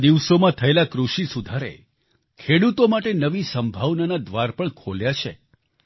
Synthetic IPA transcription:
d̪iʋsomãt̪ʰəelakɾuʃisud̪ʱaɾḛ | kʰeɽut̪omaʈenəʋisəmbʱaʋnanad̪ʋaɾpəɳkʰoljat͡ʃʰḛ

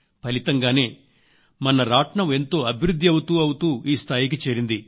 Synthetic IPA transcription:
pɐlit̪ɐŋɡaːne̞ː | mɐnɐɾaːʈɳɐme̞nt̪o̞ːɐbʱiɾud̪ʱːiɐwut̪uːɐwut̪uːʔiːst̪ʰaːjik̬it͡ʃeːɾind̪i

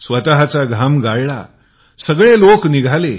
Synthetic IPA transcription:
sʋət̪aɦat͡saɡʱamɡaɭɭa̰ | səɡɭelokniɡʱale

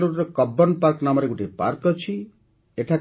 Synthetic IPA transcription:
ɾuɾɾɔkɔbɔnpaɾknamɔɾeɡuʈipa̰ɾkɔt͡ʃʰi | eʈʰa

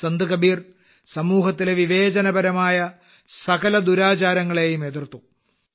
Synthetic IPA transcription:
sɐnd̪ɨkɐbiːr | sɐmuːɦɐt̪ːileʋiʋe̞ːd͡ʑɐnɐbɐɾɐmaːjɐ | sɐkɐlɐd̪uɾaːt͡ɕaːɾɐŋːɐɭe̞jumed̪irt̪ːu

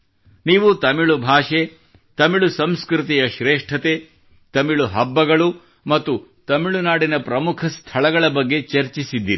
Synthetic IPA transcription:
niːʋut̪ɐmiɭubʱaːʂe | t̪ɐmiɭusɐmskɾit̪̬ijɐʃɾeːʂʈʰɐt̪e | t̪ɐmiɭuɦɐbːɐɡɐɭu | mɐt̪ːut̪ɐmiɭunaːɽinɐpɾɐmukʰɐst̪ʰɐɭɐɡɐɭɐbɐɡːe̞t͡ʃɐɾt͡ʃisid̪ːiːɾi

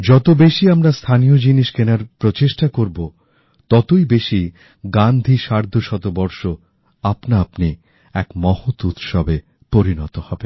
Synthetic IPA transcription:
d͡ʑɔt̪obeʃiamɾast̪ʰanijod͡ʑiniʃkenaɾpɾot͡ɕeʃʈakoɾbo | t̪ɔt̪ojbeʃi | ɡand̪ʱiʃaɾd̪ʱoʃɔt̪obɔɾʃo | apnaapni | ɛkmɔhot̪ut̪ʃɔbe | poɾinɔt̪ohɔbe

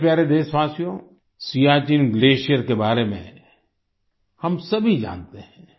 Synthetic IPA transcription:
pjaːɾed̪eːʃʋaːsijõ | sijaːt͡ʃinɡleːʃijəɾkebaːɾemḛ̃ | hɐmsɐbʱid͡ʒã̰ːnt̪eɦɛ̃ː

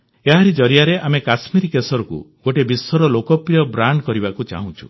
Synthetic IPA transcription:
eɦaɾid͡ʒɔɾijaɾeʔamekasmiɾkesɔɾɔkṵɡ̥oʈebisːɔɾɔlokɔpɾijɔbɾaɳɖkɔɾibakut͡ʃa̰ɦũt͡ʃʰu

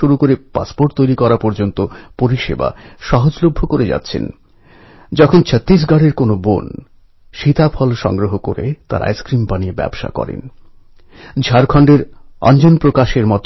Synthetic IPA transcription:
uɾukoɾepa̰spoɾʈ̚t̪ojɾikɔɾapɔɾd͡ʑont̪opoɾiʃḛba̰ʃɔɦod͡ʑlobʱːokoɾed͡ʑa̰tːɕʰḛn | d͡ʑɔkʰont͡ɕʰət̪ːis̬ɡaɽeɾkonobo̰n | ʃit̪apʰɔlʃɔ̰ŋɡɾoɦokoɾḛt̪a̰ɾa̰jskɾimpaniebɛ̰bʃa̰kɔ̰ɾḛn | d͡ʑʱaɾkʰɔɳɖeɾɔ̰nd͡ʑonpɾokaʃeɾmɔt̪

